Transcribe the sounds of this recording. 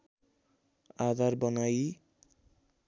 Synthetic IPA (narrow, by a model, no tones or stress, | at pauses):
ad̪aɾbɔnaj